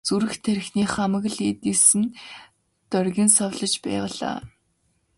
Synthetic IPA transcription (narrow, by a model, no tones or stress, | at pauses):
t͡suɾɘ̆xt̪ʰæɾ̆ʲxniːχamə̆ɣ̆ɮit̪isɘ̆n | t̪œrɣʲiːnsɔwɮə̆t͡ɕpæ̰ːʁəɮa̰ː